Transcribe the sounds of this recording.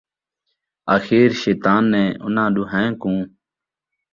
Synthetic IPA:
aːxiːɾʃeːt̪aːnːɛ̃ːʔʊ̰nãːɗuːɦɛ̃ːkũː

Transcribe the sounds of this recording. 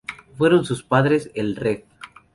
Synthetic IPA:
fweɾo̞nsuspaðɾe̞selreθ

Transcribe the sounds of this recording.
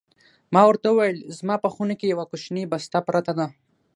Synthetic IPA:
mɑwəɾt̪auwajəlzmɑpəxunakejawakʊʃnibast̪apɾat̪ad̪a

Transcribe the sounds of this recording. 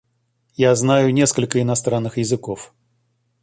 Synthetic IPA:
jaznajʊnʲe̞skəlʲkəɪnɐst̪ɾanːɨxjɪzɨkof

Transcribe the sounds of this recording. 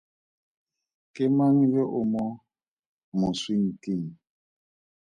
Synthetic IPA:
kemaŋibɛʔomɔ | moswiŋ̩kiŋ

